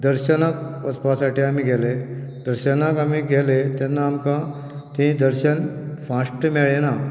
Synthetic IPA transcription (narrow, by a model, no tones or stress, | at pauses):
d̪əɾɕənakəspasaʈiːamiɡʱeled̪əɾɕənakamiɡʱelet̪ɛnːaːmkã | t̪ĩd̪əɾɕənfãsʈmeɭena